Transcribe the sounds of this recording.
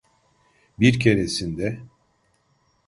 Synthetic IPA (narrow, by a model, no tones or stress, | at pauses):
biɾcʰe̞ɾesind̪ɛ